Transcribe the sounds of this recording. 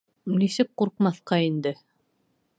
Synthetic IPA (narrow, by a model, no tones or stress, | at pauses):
nisɘk̚quɾq̚mɑθqɑind̪ɘ